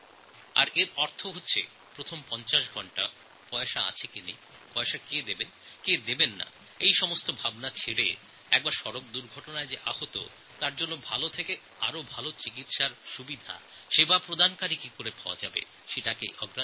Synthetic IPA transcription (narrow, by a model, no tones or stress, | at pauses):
a̰ɾeɾɔɾt̪ʰoɦotːɕʰḛ | pɾot̪ʰompɔnt͡ɕaʃ̬ɡʱɔɳʈa̰ | pɔeʃaa̰t͡ɕʰekinḛ | pɔeʃaked̪ebenked̪ebenːa̰ | ejʃɔmost̪obʱabnat͡ɕʰeɽḛ | ɛ̰k̚baɾʃɔɾok̚d̪uɾɡʱɔʈonaed͡ʑeʔahot̪o̰ | t̪aɾd͡ʑonːobʱalot̪ʰeke | aɾobʱalot͡ɕikit̪ʃaɾʃubid̪ʱa̰ʃebapɾod̪ʱankaɾikikoɾepaa̰d͡ʑa̰bḛ | ʃeʈakḛʔɔɡɾa